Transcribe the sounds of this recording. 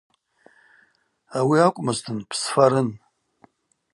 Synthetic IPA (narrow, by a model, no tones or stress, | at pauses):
awiakʷʼmɨztʰɨnpʰsfaɾɨn